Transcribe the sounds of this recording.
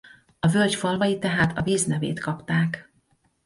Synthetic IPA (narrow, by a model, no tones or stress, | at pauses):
ɒvølcfɒlvɒjit̪ɛɦaːt̪ʰɒviːznɛvḛːt̪kɒpt̪aːk